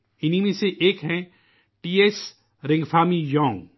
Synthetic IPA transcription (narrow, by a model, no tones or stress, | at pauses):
ɪnimẽseʔeːkɦɛ̃ | ʈiːes | ɾɪ̃ŋɡfaːmijɔ̃ːŋ